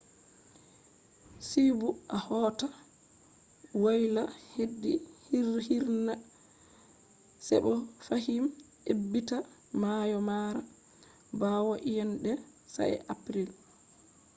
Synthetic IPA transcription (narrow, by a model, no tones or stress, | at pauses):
sibuʔahɔːta | wajlahedːihihiɾna | sɛ̰ɓɔfahimʔebːitamajɔmaɾa | bawaʔijɛnɗɛ | sa̰jɛ̰ʔapɾil